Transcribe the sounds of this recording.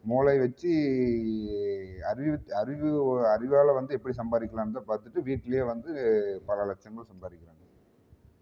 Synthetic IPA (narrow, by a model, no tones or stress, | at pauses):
muːlɐɪʋɛt͡ʃːi | ɐɾɪɐɾɪʋɯɐɾɪʋaːlɐʋɐnd̪ɯɛpːɐɽisɐmbaːðɪkːɐlaːnt̪ːapaːɾt̪ɯʈːɯʋiːʈːɪlɐjeːʋɐnd̪ɯpɐlɐlɐt͡ʃːɐŋɡɐɭsɐmbaːðɪkːɪɾɐːŋɡɐ